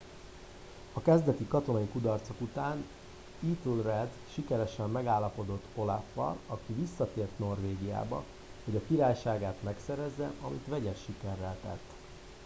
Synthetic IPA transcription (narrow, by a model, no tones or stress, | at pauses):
ɒkɛzd̪ɛt̪ikɒt̪o̞nɒjikud̪ɒrt̪so̞kut̪aːn | iːt̪ulrɛd̪ʃikɛɾɛʃɛmːɛɡaːlːɒpo̞d̪o̞t̪ːo̞lafːɒ̰lɒkivisːɒt̪eːrt̪no̞rveːɡija̰ːbɒ̰ | ho̞ɟɒkiɾaːjʃaːɡaːt̪mɛksɛɾɛzːɛʔɒmḭt̪ʋɛɟɛʃːikɛrːɛlt̪ɛ̰t̪ː